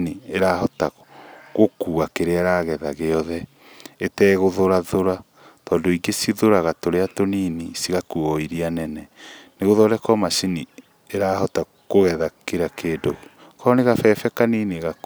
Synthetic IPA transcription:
nieɾahɔta | ɣokuːɣakeɾeaɾaːɣɛðaɣeɔðɛ | etɛːɣoðoɾaðoɾa | tɔːndoiŋɡesiðoɾaɣatoɾeatoniːnisiɣakuɔiɾianɛnɛneɣoðɔɾɛkɔmaʃini | eɾaːhɔta | ɣoɣɛðakeɾakeːdo | kɔneɣafɛfɛkaniːniɣak

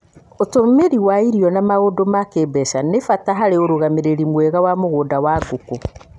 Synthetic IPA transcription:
otomeɾiwaiɾiɔnamaɣodomakeːbɛʃanefataɦaɾeoɾoɣameɾeɾimwɛɣawamoɣoːdawaɡoko

